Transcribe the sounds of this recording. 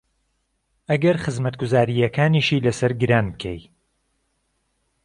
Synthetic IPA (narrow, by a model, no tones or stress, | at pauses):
ɐɡɐɾχɨzmɐt̪̚ɡʊzaːɾijɐkʰaːniʃiːlɐsɐɾɡɨɾaːnbɨkʰɛ̰j